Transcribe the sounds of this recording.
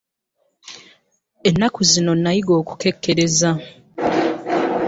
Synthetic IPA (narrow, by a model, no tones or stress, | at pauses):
enːakuzino̞nːajiɡo̞ːku̥ke̞kːe̞ɾe̞za